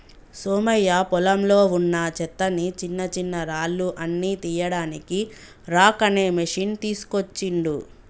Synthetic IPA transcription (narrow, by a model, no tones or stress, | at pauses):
soːmɐjːapɔlɐmlo̞ːunːɐt͡ʃɛt̪ːɐnit͡ʃinːɐt͡ʃinːɐɾaːlːuʔɐnːiːt̪ijɐɽaːniki | ɾaːkɐne̞ːmɐʂiːnt̪iːsu̥kot͡ʃːiɳɖu